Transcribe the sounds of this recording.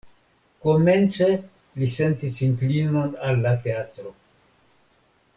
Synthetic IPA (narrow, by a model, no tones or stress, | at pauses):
ko̞ment͡se̞ | lisentisiŋklino̞nalːate̞atɾo̞